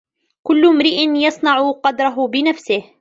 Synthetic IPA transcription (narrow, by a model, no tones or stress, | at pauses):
kʊlːmɾiʔɪnjɑsˤnɑʕʊqɑd̪ɾˤɑɦʊbɪnafsɪh